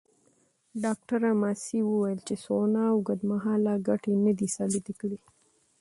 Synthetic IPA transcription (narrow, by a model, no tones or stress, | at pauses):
ɖɑk̚ʈaɾamasiwəwajəlt͡ʃesonaːwɡad̪maɦɑlaɡaʈenad̪isɑbɪt̪ikəɽi